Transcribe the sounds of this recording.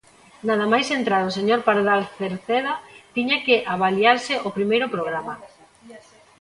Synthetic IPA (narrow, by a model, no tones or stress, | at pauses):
naðamajsent̪ɾaðoseɲoɾpaɾðalθeɾθeðat̪iɲakeʔaβaliaɾsɪopɾimejɾʊpɾoɣɾama